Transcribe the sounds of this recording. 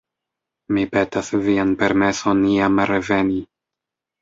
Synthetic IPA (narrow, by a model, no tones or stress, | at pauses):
mipe̞tasvianpe̞ɾme̞so̞nːiamɾeve̞ni